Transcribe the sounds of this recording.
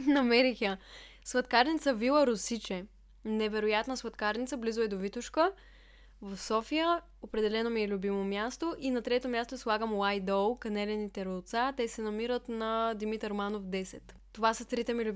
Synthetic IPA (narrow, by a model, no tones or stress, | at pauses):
nɐmɛɾixə | svɐt̪kaɾnit̪səvilˠəɾosit͡ʃɛ | nɛvɛɾojat̪nəsvɐt̪kaɾnit̪səblizoɛd̪ovit̪ʊʃkə | vəfsɔfijə | opɾɛd̪ɛlɛnomiɛlʲubimomʲjast̪oʔinɐt̪ɾɛt̪omʲjast̪oslˠaɡəmwajd̪ɔlˠkɐnɛlɛnit̪ɛɾolˠt̪sat̪ɛsɛnɐmiɾət̪nɐd̪imit̪əɾmanofd̪ɛsɛt̪ːovasət̪ɾit̪ɛmilʲub